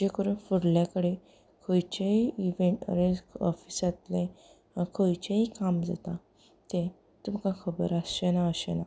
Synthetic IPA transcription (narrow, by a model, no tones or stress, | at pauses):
d͡ʑekəɾunfəɽljakəɽe | kʰojt͡ɕeiiʋẽɳʈə̰ɾẽɔfisat̪lẽ | kʰojt͡ɕeikamd͡za̰t̪a | t̪ẽ | t̪umkakʰəbə̰ɾasɕenaəɕena